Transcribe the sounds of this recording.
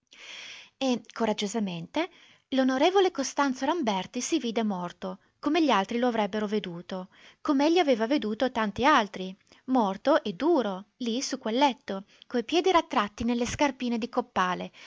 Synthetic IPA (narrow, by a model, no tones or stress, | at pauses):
ekʰoɾad͡ʒːozament̪e | lonoɾeːvolekost̪ant̪soɾambɛrt̪isiviːd̪emɔrt̪o | komeʎːialt̪ɾiloavɾɛbːeɾoved̪uːt̪o | komeeʎːiaveːvaved̪uːt̪ot̪ant̪ialt̪ɾi | mɔrt̪oʔed̪ːuːɾolisukːwelːɛt̪ːo | kojpjɛːd̪iɾat̪ːɾat̪ːinelːeskarpiːned̪ikopːaːle